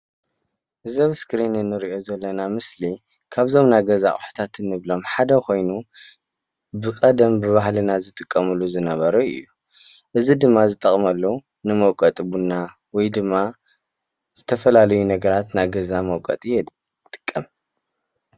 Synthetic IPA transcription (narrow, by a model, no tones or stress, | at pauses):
ʔɨzɐβskɾinɨnːɨɾiʔo̞zɐlːɐnamɨsli | kʰaβzo̞mnaɡɐzaʔʼħu̥t̪ʰat̪ʰɨnːɨβlo̞mħad̪ɐkʰo̞jnu | bɨkʼɐd̪ɐmbɨβahlɨnazɨt̪ʼɨkʼːɐmɨlːuzɨnɐβɐɾɐɨ̰jːu | ʔɨzid̪ɨmːazɨt̪ʼɐχʼmɐlːu | nɨmɐwkʼɐt̪ʼbunːa | wɔjd̪ɨmːa | z̥ɨt̪ʰɐfɐlalɐjunɐɡɐɾat̪najɡɐzamɐwkʼɐ̰t̪ʼijɛd̪ | t̪ʼɨ̥kʼːɐm